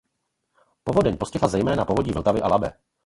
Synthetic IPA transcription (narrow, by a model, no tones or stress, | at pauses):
po̞vo̞dɛɲpo̞scɛɦlazɛjmɛːnapo̞vo̞ɟiːvl̩t̪avɪʔalabɛ̰ː